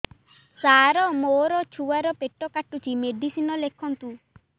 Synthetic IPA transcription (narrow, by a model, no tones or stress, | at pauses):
saːɾɔmoɾɔt͡ʃʰuwaɾɔpeʈːɔkaʈːut͡ʃʰimeɖisinɔlekʰɔnt̪u